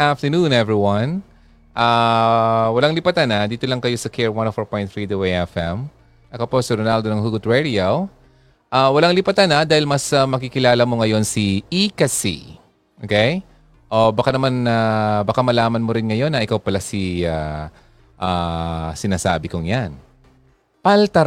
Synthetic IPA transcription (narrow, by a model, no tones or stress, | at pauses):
aft̪ɛnunɛvɹiwɐn | ʔa | wɐlaŋlɪpɐt̪anɐd̪iːt̪olɐŋkɐjo̞sɐkʰɛɹwɐnofoɹpojnɹid̪uejɛfɛm | ʔɐkoposɪɾonald̪onɐŋhuɡʊt̪ɹɛd̪iow | ʔawɐlaŋlɪpɐt̪anɐd̪aːhɪlmɐsɐmɐkikɪlaːlɐmo̞ŋɐjo̞nsiʔikɐsḭ | ʔokɛj | ʔo̞bɐkanɐmanabɐkamɐlaːmɐnmoɾɪnŋɐjo̞nɐʔɪkawpɐlasia | ʔasɪnasa̰ːbɪkoŋjan | pɐlt̪ɐɾ